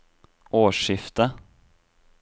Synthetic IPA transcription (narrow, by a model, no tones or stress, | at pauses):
ʔoːʂɪft̪ə